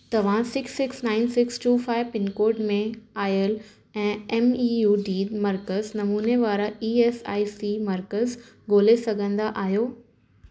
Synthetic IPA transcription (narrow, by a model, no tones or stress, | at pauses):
t̪ɐʋ̤ãsɪksːɪksnaːɪnsɪksʈuːfaːɪʋpɪnkoːɾɖmẽaːjəl | ɛ̃ːɛmiːjuːɖiːd̪mɐɾkəznɐmuːneʋaːɾaiːeːsa̰ːisimɐɾkəz | ɡoːlesɐɡʱə̃nd̪aʔaːɦjoː